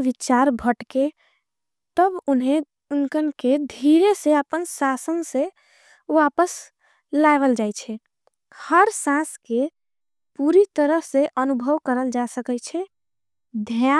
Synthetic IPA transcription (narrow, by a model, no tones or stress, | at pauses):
ʋit͡ʃaɾbʱəʈke | t̪əbunɦe | unkənked̪ʱiɾeseəpənsasənse | wapəs | laɪʋəld͡ʒajt͡ʃʰɛ | həɾsãske | puɾit̪əɾəɦseʔənubʱəʋkəɾəld͡ʒasəkɛt͡ʃʰɛ | d̪ʱa